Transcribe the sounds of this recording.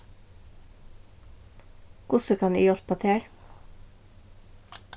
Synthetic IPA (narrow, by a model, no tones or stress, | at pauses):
kʊsəkʰɑnḭːjɔlpɑt̪ʰeːɾ